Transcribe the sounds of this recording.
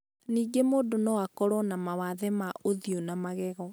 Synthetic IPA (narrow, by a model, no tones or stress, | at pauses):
niːɡemoːdonɔwakɔɾɔnamawaðɛmaʔoðionamaɣɛɣɔ